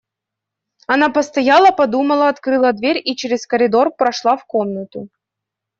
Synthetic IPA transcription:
ɐnapəst̪ɐjalˠəpɐd̪uməlˠəɐt̪kɾɨlˠəd̪vʲeɾʲit͡ɕeɾʲɪskəɾʲɪd̪o̞rpɾɐʂlˠafkomnət̪ʊ

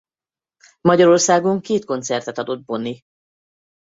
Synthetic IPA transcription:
mɒɟɒɾo̞rsaːɡo̞ŋkeːt̪̚ko̞nt̪sɛrt̪ɛt̪ɒd̪o̞d̪̚bo̞nːi

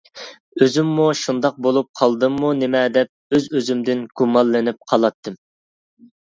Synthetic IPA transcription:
øzymːuʃund̪ɑq̚bolˠup̚qʰɑlˠd̪ɨmːunemɛd̪ɛp̚øzøzymd̪ɪnɡ̥umɑlˠːɪnɪp̚qʰɑlˠɑt̪ʰːɨm

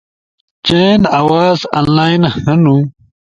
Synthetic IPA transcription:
t͡ɕenɐwaːza̰nlaːinhɐnu

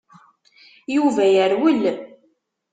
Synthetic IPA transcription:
juvæjəɾwəlː

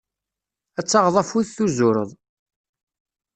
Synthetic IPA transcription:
æt͡sːɑʁðˤɑfuðθuzʊɾə̰ðˤ

